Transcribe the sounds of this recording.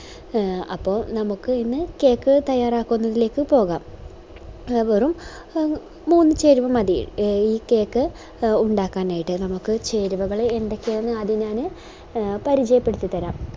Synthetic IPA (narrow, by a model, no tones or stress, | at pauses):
ɐ̰pːo̞ːnɐmukːɨinːɨke̞ːkːɨt̪ɐjːaːraːkːunːɐðile̞ːkːɨpo̞ːɣaːm | ʋerum | muːnːɨt͡ɕe̞ːɾuʋɐmɐðḭiːke̞ːkːɨ | uɳɖaːkːaːnaːjiʈːɨnɐmukːɨt͡ɕe̞ːɾuʋɐɣɐɭeendekʲːeenːɨɐðiɲaːnɨ | pɐɾit͡ɕɐjɐpːe̞ɽut̪ːit̪ːɐɾaːm